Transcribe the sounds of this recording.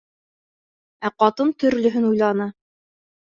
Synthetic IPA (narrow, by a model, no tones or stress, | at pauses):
æqɑt̪ɤnt̪ɵ̆ɾlɵ̆ɦɵnujlˠɑnɤ